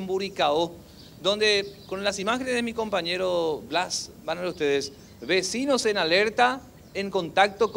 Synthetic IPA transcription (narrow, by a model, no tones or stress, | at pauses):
mbuɾikao | d̪õ̞nd̪ekonlasimaxenezðemiko̞mpaɲeɾoblasbanaust̪eðes | βesinosenaleɾt̪a | eŋko̞nt̪ak̚t̪ok